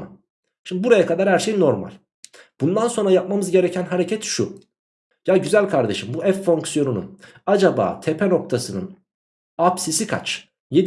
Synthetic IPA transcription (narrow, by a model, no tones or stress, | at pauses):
a | ʃimd̪ibuɾajakʰad̪aɾhæɾʃe̞jinːo̞ɾma̰lʲ | b̥und̪anso̞nɾajap̚mamɯzɟe̞ɾɛcʰænɦaɾecʰɛt̪ʃu | jaɟyzælʲkʰaɾd̪eʃɯmbuɛfːo̞ŋksjo̞nunṵn | ad͡ʒaba̰ːt̪ʰepʰɛno̞k̚t̪ʰasɯnɯ̰n | apsisikʰa̰t͡ʃ | jed̪